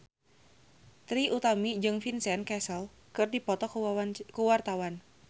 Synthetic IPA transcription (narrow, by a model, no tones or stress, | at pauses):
t̪ɾiʔut̪amid͡ʒɨŋfinsɛnkɛsəl | kɨrdipɔt̪ɔkəwart̪awan